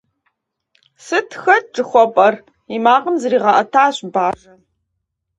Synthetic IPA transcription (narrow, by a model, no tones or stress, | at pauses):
sɨtʰxɐt̚ʈ͡ʂʼɨxʷɔpʼɐr | imaːqəmzɨriːʁɐʔɐtʰaːɕbaːʐɐn